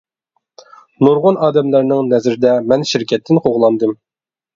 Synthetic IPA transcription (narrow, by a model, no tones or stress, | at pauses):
noɾʁʊnɑːd̪ɛmlæɾnɪŋnɛzɪɾɪd̪ɛmɛnʃɪɾkʲʰɛt̪ʰːɪnqʰoʁlˠɑnd̪ɨm